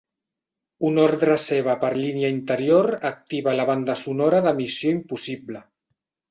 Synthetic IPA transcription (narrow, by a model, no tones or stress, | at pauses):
unoɾðɾəseβapəɾliniaint̪əɾjoɾək̚t̪iβalaβ̞and̪asunoɾaðəmisjoimpusiblə